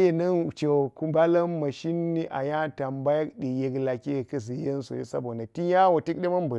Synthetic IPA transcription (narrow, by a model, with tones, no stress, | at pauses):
e˨nɐ˦n˨t͡ʃe˨ku˦ba˦la˦mma˨ʃi˦nːi˦ʔa̰˨ja˦ta˨mba˦ja˦kɗi˨je˨kla˨kʲe˦jkɐ˦zi˨je˦n˦so̰˨ḭ˦sa̰˦bo˨da˨ti˦ja˦wo˨ti˦k̚ɗe˦mɐ˦mbu˨